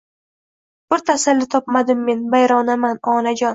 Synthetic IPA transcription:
b̥ɪɾt̪ʰasalːɪt̪ʰɒpmad̪ɪmːe̞nbajɾɒnamanɒnad͡ʒɒn

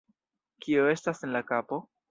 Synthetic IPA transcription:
kio̞e̞stase̞nlakapo̞

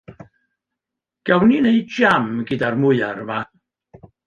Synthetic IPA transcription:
ɡ̥awnineɨd͡ʒamɡɨdarmʊɨaɾəma

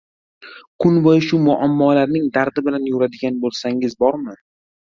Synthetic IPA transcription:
kʰʊnbɒjʃʊmʊʔamːɒlaɾnɪŋd̪aɾd̪ɪbɪlanjoɾad̪ɪɡʲanbolˠsaŋɪzbɒɾmɪ

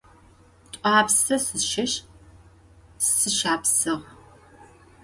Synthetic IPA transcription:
tʷʼɑːpsɐsɨʃɪɕ | ssɨʃaːpsɨʁ

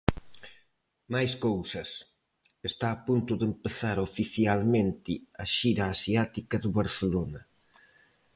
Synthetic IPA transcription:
majskowsɐs | est̪aːpunt̪ʊðempeθaɾofiθjalmẽnt̪ɪɐʃiɾɐːsiat̪ikɐðʊβaɾθelonɐ

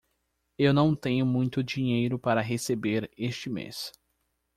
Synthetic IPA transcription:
ewnɐ̃w̃t̪ẽɲʊmũj̃t̪ʊd͡ʒiɲejɾʊpaɾɐɦesebeɾest͡ʃɪmḛs

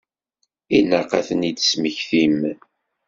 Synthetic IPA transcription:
inəqa̰θənid̪əsməçθim

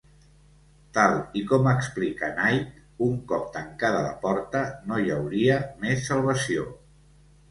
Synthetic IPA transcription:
t̪alˠikɔməksplikənajt̪̚ | uŋkɔp̚t̪əŋkaðələ̰pɔɾt̪ənojəwɾiəmesːəlˠβ̞əsio

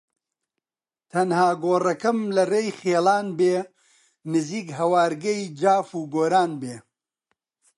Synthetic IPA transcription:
t̪ʰɐnhaːɡoːrɐkɐmlɐreːjχeːlaːnbeː | nɨziːkɦɐwaːɾɡɐjd͡ʒaːfuːɡoːɾaːnbeː

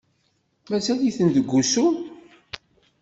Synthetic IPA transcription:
mæsæliθənðəɡʷːusu

